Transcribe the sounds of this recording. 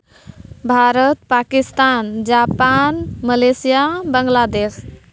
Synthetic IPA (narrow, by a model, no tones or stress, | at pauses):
bʱaɾət̪pakist̪and͡ʒapanməlesijabəŋɡlad̪es